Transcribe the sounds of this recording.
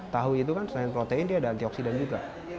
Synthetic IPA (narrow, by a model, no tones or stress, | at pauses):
t̪aɦuit̪ukansəlaɪnpɾot̪eɪndiadaant̪iɔksidand͡ʒuɡa